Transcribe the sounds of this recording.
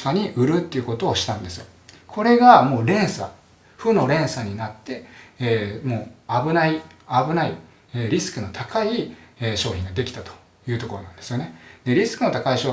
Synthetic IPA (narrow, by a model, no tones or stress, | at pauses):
kaɲ̟iʔɯ̟ɾɯ̟t̪ːe̞jiɯ̟ko̞t̪o̞ːɕi̥t̪ãnd̪e̞sɨjo | kʰo̞ɾe̞ɡamo̞ːɾẽ̞ɰ̃sa̰ | ɸɯ̟no̞ɾẽ̞ɰ̃saɲ̟inat̪ːe̞ː | mo̞ːabɯ̟naiabɯ̟nai | eːɾʲisɨ̥kɯ̟no̞t̪ʰakaieːɕo̞ːçʲĩŋɡad̪e̞kʲt̪at̪o̥ | jɯ̟ːt̪o̞ko̞ɾo̞nãnd̪e̞sɨjo̞ne̞d̪e̞ɾʲisɨ̥kɯ̟no̞t̪akaiɕoː